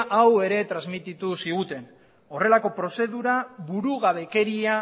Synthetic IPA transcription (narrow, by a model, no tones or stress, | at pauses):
ʔawe̞ɾe̞t̪ɾazmit̪it̪usiɣ̞ut̪e̞n | o̞re̞lako̞pɾo̞se̞ðuɾaβuɾuɣaβe̞ke̞ɾia